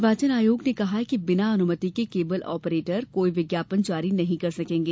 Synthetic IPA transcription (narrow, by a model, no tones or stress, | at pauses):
ʋaːt͡ʃənaːjoːɡnekɐɦakibɪnaɐnʊmət̪ikekeːbəlɔ̰ːpəɾeːʈəɾkoːiʋɪɡjaːpənt͡ʃaːɾinɐɦĩkɐɾsɐkẽːŋɡeː